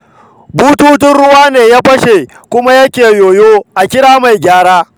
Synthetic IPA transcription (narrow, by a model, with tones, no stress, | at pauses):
buː˦tuː˦t̬ɪ˦nɽʊ˦waː˦neː˨jaː˦ɸɐ˦ʃe˨ | kʷʊ˦ma˦jɐ˦kʲeː˨joː˨joː˦ʔa˨kʲɪ˦ɽaː˦ma˨jɡʲaː˦ɽaː˦